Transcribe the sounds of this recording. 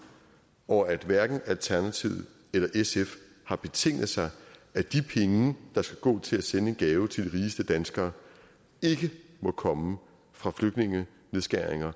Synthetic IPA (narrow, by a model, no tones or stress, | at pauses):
ʔɒæd̥ʋæɐɡ̥n̩ælt͡sʰæɐnæt͡sʰiʊ̰ð̩ˠ | elɐʔesef | hɑ̈b̥e̝t͡sʰe̝ŋ̰ð̩ˠsɑ̈ɪæd̥ipʰeŋəd̥ɑ̈sɡ̥æɡ̥ɔ̰̽ːt͡sʰe̝læsenəe̝nɡ̥ɛːʊt͡sʰe̝ld̥iʁiːsd̥əd̥ænsɡ̥ɐː | e̝ɡ̥əmɒ̽kʰɒ̽mə | fʁɑ̈fløɡ̥ne̝ŋə | neðˠsɡ̥æɐ̰eŋɐ